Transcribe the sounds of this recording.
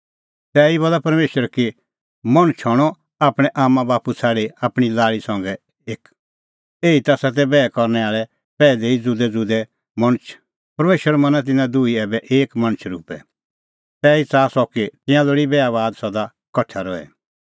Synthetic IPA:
t̪ɛːibɔlapɐɾmeːʃəɾki | mɐ̃ɽ̃t͡ʃʰɔɽ̃ɔ | aːpɽ̃ɛʔaːmːãbaːput͡sʰaːɽeaːpɽ̃ilaːɭisɐ̃ŋɡɛ | eːk | eːit̪asɐt̪̬ɛbɛːɛkɔɾnɛaːɭɛ | pɛːleid͡zʊd̪ɛd͡zʊd̪ɛ | mɐɽ̃t͡ʃʰ | pɐɾmeːʃəɾmɐ̃nat̪̬ɪnãd̪uiɛːbɛʔeːkmɐ̃ñt͡ʃʰɾuːpɛ̰ | t̪ɛːit͡saːsɔket̪ɪ̃jãloɽibɛaβaːd̪sɐd̪a | kɔt͡ʃʰaɾɔɛ̰

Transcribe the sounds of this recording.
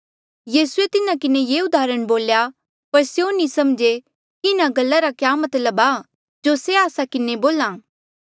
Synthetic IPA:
jiːsʊet̪ɪnãkɪnejeːʊd̪aːɾəɽ̃boːlja | pɐɾsjonĩsɐmd͡ʒe | kiɪnãɡɐlːaɾakjaːmɐt̪ləbaː | d͡ʒoseaːsakɪneboːlaː

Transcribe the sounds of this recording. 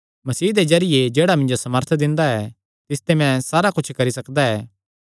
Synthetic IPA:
mɐsiːd̪ezɐɾɪjed͡ʒeːɽamɪ̃nd͡ʒosɐməɾt̪ʰd̪ɪ̃nd̪aɛ | t̪ɪst̪emɛ̃saːɾakʊt͡ʃʰkɐɾisɐkd̪aɛː

